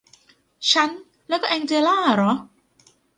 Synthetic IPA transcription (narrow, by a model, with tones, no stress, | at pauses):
t͡ɕʰa˦˥n | lɛː˦˥kɔː˥˩ʔɛː˧ŋt͡ɕe˧laː˥˩ɾɔ˨˦˥